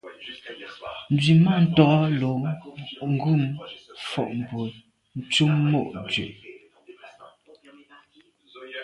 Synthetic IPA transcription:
n̩˨dɥi˨ma˦˨n̩˨tɔ˨˦lo˨˦ŋ˦ɡu˦˨mfɔ̰˨ʔm̩˨bo˨ | n̩˦t͡su˦mːo˦˨ʔd͡zɥḛ˨

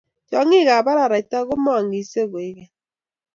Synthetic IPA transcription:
d͡ʒɔ˨˦ŋi˦ɣa˨ba˦ɾa˨ɾa˨i˨ta˦ɣʊ˦mɔ˦a˨ŋi˨se˦˨ɣe˨˦ɣe˦

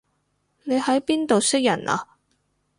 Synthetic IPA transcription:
ne˨˧jhɐ˨˥jpiː˥nt̪o˨wsɪ˥k̚jɐ̰˨˩nʔa̰ː˨

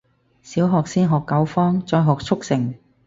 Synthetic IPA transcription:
siː˨˥wɦɔː˨k̚siː˥nɦɔː˨kːɐ˨˥wfɔː˥ŋt͡sɔː˧jɦɔː˨k̚t͡sʰʊ˥k̚sɪ˨˩ŋ

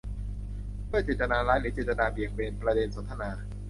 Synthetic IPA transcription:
pʰɯ˥˩ət͡ɕeː˨˩t̪̚ːa˧naː˧laː˦˥nːiː˨˦˥t͡ɕeː˨˩t̪ːa˧naː˧bi˨˩ək̚be˧npɾa˧de˧nso˩˦nt̪ʰa˧naː˧

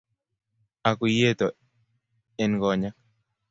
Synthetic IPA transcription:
a˨ku˨je˦t̪o˨ | ɛ˨nɡɔ˨ɲa˦k̚

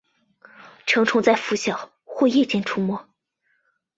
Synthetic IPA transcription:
ʈ͡ʂʰɤ˧˥ŋʈ͡ʂʰʊ˧˥ŋt͡sa˥˩ɪfu˧˥ɕjɑ˨˩ | xwɔ˥˧jɛ˥˧t͡ɕjɛ˥˩nʈ͡ʂʰu˥mwɔ˥˩

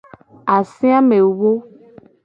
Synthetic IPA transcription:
a˨sĩ˦a˦me˨wwo˦

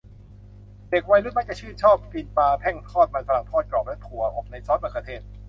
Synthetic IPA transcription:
deː˨˩k̚wa˧jnu˦˥t̪̚ma˦˥k̚t͡ɕa˨˩t͡ɕʰɯː˥˩nt͡ɕʰɔː˥˩p̚fi˧npaː˧pʰɛ˥˩ŋpʰɔː˥˩t̪̚ma˧nfa˧a˨˩˦ŋpʰɔː˥˩t̪̚klɔː˨˩p̚lɛ˦˥pʰu˩˦ɐʔo˨˩p̚na˧jsɔː˦˥t̪̚baː˨˩ka˧t̪ʰeː˥˩t̪̚

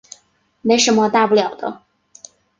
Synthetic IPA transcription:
me˧˥ɪʂə˧˥nmə˧t̪a˥˧pu˥˩ljɑ˨˩ʊd̪ə̰˦

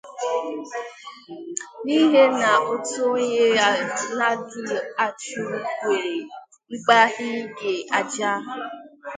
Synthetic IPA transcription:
ni˦ɦe˦na˨o˦to˦ɲe˦a˦na˦du˨a˨t͡ʃu˦kʷe˨ɾe˨˦ | k͡pa˦ɦɪ˦ɡe˨a˨d͡ʒa˦ɦ

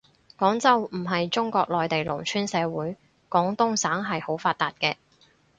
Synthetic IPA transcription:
kɔː˨˥ŋt͡sɐ˥wm̩˨˩ɦɐ˨jt͡sʊ˥ŋkɔː˧k̚lɔː˨jt̪e˨jlʊ˨˩ŋt͡ʃʰyː˥nsɛː˨˧wuː˨˥j | kɔː˨˥ŋt̪ʊ˥ŋsaː˨˥ŋɦɐ˨jho˨˥wfaː˧t̪aː˨t̚kɛː˧

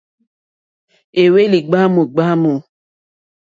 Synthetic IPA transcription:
e˨we˦li˨ɡ͡ba˦mo˨ɡ͡ba˦mo˨

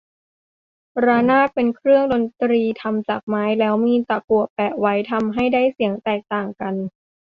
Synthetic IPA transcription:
ɾaː˧naː˥˩t̪̚pe˧nkʰɾɯ˥˩əŋdo˧nt̪ɾiː˧t̪ʰa˧mt͡ɕaː˨˩k̚maː˦˥jlɛː˦˥wmiː˧t̪a˨˩ku˨˩əpɛː˨˩wa˦˥jt̪ʰa˧mɦa˥˩jdaː˥˩jsi˩˦əŋt̪ɛː˨˩k̚t̪aː˨˩ŋka˧n

